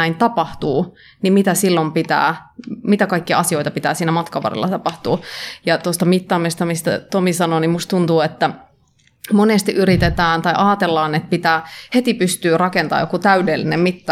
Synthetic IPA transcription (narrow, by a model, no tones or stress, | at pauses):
æint̪ɑpɑht̪uː | nimmit̪æsilːompit̪æ̰ːmit̪ækɑikːiɑɑsioit̪ɑpit̪æːsiːnæmɑt̪kɑʋɑ̰rḛlːɑ̰t̪ɑpɑht̪uːjɑt̪ost̪ɑmit̪ːɑːmest̪æmist̪æ̰t̪omisɑnonimust̪t̪unt̪uːet̪ːæ | monest̪iʔyɾit̪et̪æːnt̪ɑiʔɑːt̪elːɑːnet̪̚pit̪æːhet̪ipyst̪yːrɑkent̪ɑ̰ːjokut̪æydelːinemmit̪ːɑ